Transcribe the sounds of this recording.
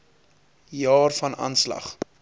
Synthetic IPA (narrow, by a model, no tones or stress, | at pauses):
jɑːrfɐnɑ̰nslɐ̰χ